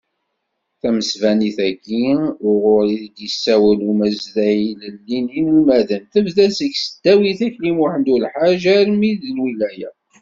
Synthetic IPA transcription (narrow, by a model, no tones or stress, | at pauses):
θæməsvæniθæɡiʊʁʊɾiðd̪əsːæwəlumæzðæiləlːininəlmæðəmθəvðæzəɡsəd̪̥ːæwiθæçlimuħənd̪ulħaʒæɾmiðlwilæjæ